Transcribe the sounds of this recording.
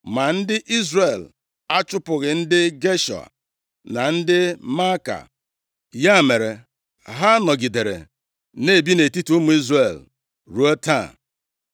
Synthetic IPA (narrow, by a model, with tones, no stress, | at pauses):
ma˨n̩˦dɪ˦ʔi˦zre˨l | a˦t͡ʃʊ˦pʊ˨ɣɪ˨n̩˦dɪ˦ɡe˦ʃɔ̰˨a̰˨ | na˨n̩˦dɪ˦ma˦ka̰˨ | ja˦˨me˨ɾe˨ | ɦa˦nɔ˨ɡi˨de˨ɾḛ˨ | ne˦˨bi˦ne˨ti˦tu˨˦mu˨˦i˦zre˨l | ɾu˦o˦ta˦˨